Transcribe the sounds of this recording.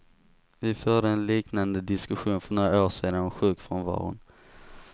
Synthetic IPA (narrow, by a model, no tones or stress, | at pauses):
vɪfœːɖəɛnliːknand̪əd̪ɪskɵɧuːnfœɳoːɾaoːʂeːd̪anɔɧʉ̟ːkfɾɔnvɑ̰ːɾʊ̰n